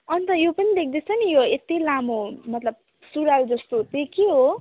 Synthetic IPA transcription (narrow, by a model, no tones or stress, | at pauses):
ʌnt̪ʌjopʌnid̪ek̚ʰd̪ʌt͡sʰʌnijoet̪ilamomʌt̪lʌb̚ | suɽald͡zʌst̪ot̪ekeɦo